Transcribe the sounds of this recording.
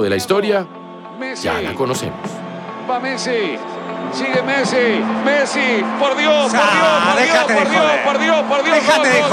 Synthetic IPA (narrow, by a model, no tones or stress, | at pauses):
ðelaist̪oɾja | mesd͡ʒa̰la̰konosḛmospamesi | siɣemesimesipoɾðjopoɾðjopoɾðjoopoɾðjospoɾðjopoɾðjoo